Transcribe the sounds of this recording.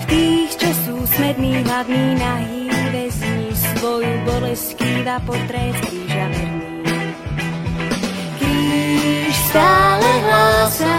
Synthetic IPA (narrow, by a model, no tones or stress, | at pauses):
ft̪iːxt͡ʃɔsuːsmɛd̪niːɦlavniːnaɦiːʋɛzɲisʋɔjubɔlɛskiːvapɔt̪ɾɛːt̪kɾiːʒamɛdniː | ki | ʃspalɛɦlɔsa